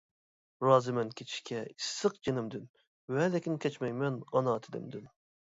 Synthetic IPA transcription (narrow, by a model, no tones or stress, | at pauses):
ɾɑːzɨmɛnkʲʰet͡ʃʰi̥ʃkʲʰɛisːɨq̚d͡ʒenɪmd̪yn | wɛlɛkʲinkʲɛt͡ʃmɛjmɛnɑnɑːt̪ʰɪd̪ɪ̰md̪yn